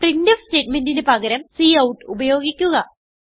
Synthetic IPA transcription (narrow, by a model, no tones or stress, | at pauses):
prindɐfste̞ːʈ̚mendindepɐɡɐɾɐmsiːɐwʈːɨubɐjo̞ːɡikʲːuɣɐ